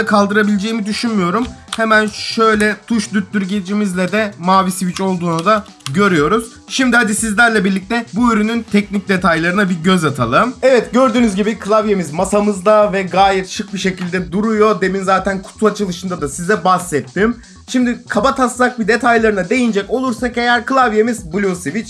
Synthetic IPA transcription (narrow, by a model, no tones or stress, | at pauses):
kʰalˠd̪ɯɾabilʲed͡ʒe̞jimid̪yʃynmyjo̞ɾumhemænʃø̞jlʲɛt̪ʰuʃd̪yt̪̚ːyɾɟed͡ʒimizlʲɛd̪ɛmaːvisivit͡ʃo̞lˠd̪uːnud̪a | ɟø̞ɾyjo̞ɾuz̥ | ʃimd̪ihad̪isizlʲæɾlʲɛbiɾlʲic̚t̪ɛbuyɾynynt̪ʰɛc̚nic̚d̪e̞t̪ʰajlˠaɾɯnabiɟøzat̪ʰa̰lˠɯmɛvɛt̪ɟø̞ɾd̪yːnyzɟibikʰɯlˠavjemizmasamɯzd̪avɛɡaːjɛt̪ʃɯk̚biʃe̞cilʲd̪ɛd̪uɾujo̞d̪e̞minzaːt̪ʰænkʰu̥t̪ʰuat͡ʃʰɯlˠɯʃɯnd̪ad̪asizɛbasːɛt̪ʰːim | ʃimd̪ikʰabat̪ʰaslˠak̚bid̪e̞t̪ʰajlˠaɾɯnad̪e̞jind͡ʒɛco̞lˠuɾsake̞jæɾkɯlˠavjemizbulʲusivit͡ʃ